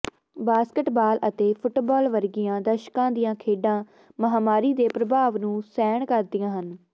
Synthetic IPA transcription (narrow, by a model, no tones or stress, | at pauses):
baːskəʈbaːlʔət̪eːpʰʊʈbaːlʋəɾɡɪjãːd̪əʃkãːd̪ɪjãːkʰeːɖãː | məɦaːmaːɾiːd̪eːpɾəbʱaːʋnũːsɛːɳkəɾd̪ijãːɦən